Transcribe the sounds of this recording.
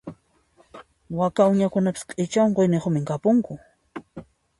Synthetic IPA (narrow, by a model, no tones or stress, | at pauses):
wakaʊɲakʊnapɪ̥sqʼɪt͡ʃawŋɢojnɪχʊmɪŋkapʊŋkʊ